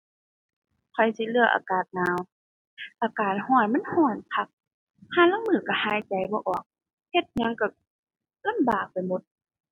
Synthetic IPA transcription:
kʰɔ˨˩jsi˧˦lɯ˧˩ɐʔa̰ː˨˩kaː˨˩t̪̚ŋaː˧˦w | ʔaː˨˩kaː˨˩n̚hɔː˧˩nma˧˥˨nhɔː˧˩npʰa˧k̚ | hʰaː˧˨la˧˥˨ŋmɯː˧˩ka˧˩haː˨˥˩jt͡ɕa˨˩jbɔː˧˦ʔɔː˨˩k̚ | he˧t̪̚ɲa˧˥ŋka˧˩ | la˧˥˨mbaː˨˩k̚pa˨jmo˧˦t̪̚

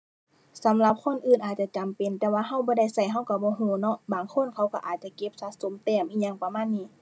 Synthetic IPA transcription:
sa˨˦mla˧p̚kʰo˧˥˨nʔɯː˧˩˨nʔaː˨˩t̪̚t͡ɕa˧˨t͡ɕa˨mpe˨nt̪ɛː˧waː˧ɦa˧˥˨wbɔː˧˦da˧˩˨jsa˧˩jɦa˧˥˨wka˧˩bɔː˧˦ɦuː˧˦nɔ˧˨ʔbaː˨ŋkʰo˧˥˨nkʰa˧˩wka˧˩ʔaː˨˩t̪̚t͡ɕa˧˩ke˧˦p̚sa˧t̪̚so˧˦mt̪ɛː˧˩mʔiː˧˩ɲa˧˨ŋpa˧maː˧˥˨nːiː˧˨

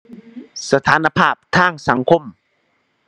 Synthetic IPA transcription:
sa˧t̪ʰaː˩˦na˧pʰaː˥˩p̚t̪ʰaː˥˩ŋsa˩˦ŋkʰo˧˥˩m

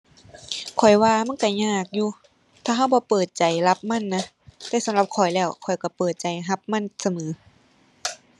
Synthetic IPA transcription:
kʰɔ˨˩jwaː˧ma˧˥˨nka˧˩ɲaː˧˩k̚juː˧ | t̪ʰaː˧ɦa˧˩˨wbɔː˧˦pɤː˨˩t̪̚t͡ɕa˨jla˧˦p̚ma˧˥˨nːa˧˥ | t̪ɛː˧˩sa˨˦mla˧˦p̚kʰɔ˨˩jlɛː˧˩wkʰɔ˨˩jka˧˩pɤː˨˩t̪̚t͡ɕa˨˩jɦa˧˦p̚ma˧˥˨nsa˧mɤː˨˦

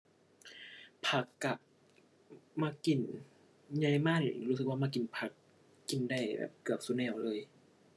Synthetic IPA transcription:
pʰa˧˩kːa˨˧˩ | maː˧ki˨˩n | ɲa˧jmaː˥˩k̚ni˨ɾuː˦˥s̬ɯ˨˩k̚waː˧˥˩maː˧ki˨˩npʰa˨˩kː | i˨˩nda˧˩jbɛ̰ː˨˩p̚kɯ˨˩əp̚su˧˦nɛː˧˩wlɤː˧j

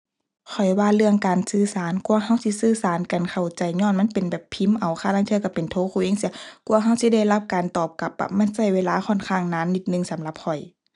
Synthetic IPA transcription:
kʰɔ˨˩jwaː˧˨lɯ˧əŋkaː˨nsɯː˧˨saː˨˦nku˧˨ɐɦa˧˥˨wsi˧˥sɯː˧˨saː˨˦nka˨nkʰa˨˩wt͡ɕa˨˩jɲɔː˧˥˨nma˧˥˨npe˨nbɛː˨˩pʰːi˧˥˨mʔa˨˩wxʰaː˧˩la˧˥˨t̪ʰːka˧˩pe˨nt̪ʰoː˧˥˦kʰuː˧˩˨ʔeː˧˥˨ŋsi˧ɐku˧˨ɐɦa˧˥˩wsi˧˦da˧˥˩jla˧˥p̚kaː˨nt̪ɔː˧˨˩p̚ka˧˦p̚ːa̰˧˩ma˧˥˨nsa˧˩jweː˧laː˧˦xʰɔ˧˥˨nkʰaː˧˩ŋnaː˧˥˨nːi˧t̪̚nɯ˧˨ŋsa˨˦mla˧˦p̚ʰɔ˨˩j

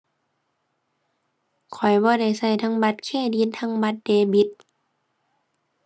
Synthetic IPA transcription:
kʰɔ˨˩jbɔː˧˦da˧˩jsa˧˩jt̪ʰa˧˥˨ŋba˧t̪̚kʰɛː˧˩˨diː˧˦nt̪ʰa˧˥˨ŋba˧˦t̪̚deː˧bi˧˦t̪̚

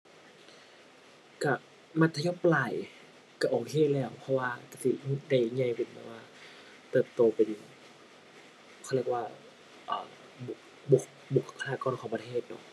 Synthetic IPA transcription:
ka˧˩ | ma˧t̪ʰːa˧jɔː˧˥˨plaː˧˩j | ka˧˩ʔoː˨˩kʰeː˧˨lɛː˧˩˨wpʰɔ˧waː˧ka˧˩si˧da˧˩jɲa˧˨jpe˨˩nma˧˩waː˧ | t̪ɤː˧˩p̚t̪oː˧pe˨˧˩ | kʰɔ˧˩le˧˩k̚waː˧˩ | ʔaː˨˧˩ | bu˧˩k̚ | bu˧˩k̚ | bu˨˩kʰa˧aː˧˩kɔː˧˨nkʰɔː˨˩ŋpa˧t̪ʰeː˧˥˩t̪̚nɔ̰˧˩ʔ

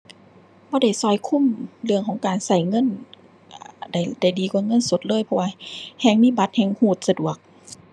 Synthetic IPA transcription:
bɔː˧˦da˧˩jsɔː˧˩jkʰu˧˥˨mlɯ˧əŋkʰɔː˨˦ŋkaː˨˩nsa˧˩jŋɤ˧˥˨n | ʔda˧˩jda˧˩jdiː˨ku˧˦ŋɤ˧˥˨nsu˧˦t̪̚lɤː˧˥˨jpʰɔ˧waː˧hɛː˧˩ŋmiː˧˥˨ba˧˦t̪̚hɛː˧ŋhuː˧˩t̪̚sa˧du˨˩ək̚

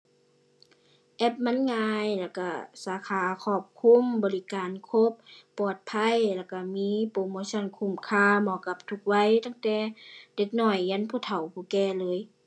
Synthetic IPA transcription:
ʔɛ˧˩p̚ma˧˥˨nŋaː˧jlɛ˧˩wka˧˩saː˨˦kʰaː˨˧˦kʰɔː˧˩p̚kʰu˧˥˨mbɔː˨li˧˦kaː˨nkʰo˧˦p̚ːɔː˨˩t̪̚pʰa˧˥˨jlɛ˧˩wka˧˩miː˧˥˨poː˧˨moː˧˦sɔ˧˥˨nkʰu˧˩˨mkʰaː˧˩˨mɔː˧˨ka˧˦p̚t̪ʰu˧k̚wa˧˥˨jt̪aː˧˨ŋt̪ɛː˧˦de˧˦k̚nɔː˧˩jːa˧˥˨npʰuː˧˩t̪ʰa˨˩wpʰuː˧˩kɛː˧˩lɤː˧˨j

